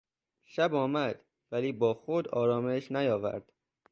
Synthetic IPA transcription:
ʃæbɒːmæd̪̥ | væliːbɒːxod̪ɒːɾɒːmeʃnæjɒːvæ̰ɾd̪̥

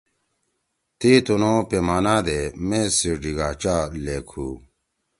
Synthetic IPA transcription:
t̪iːt̪unõːpemaːnaːd̪emẽsiɖiɡaːt͡ɕaːleːkʰuː

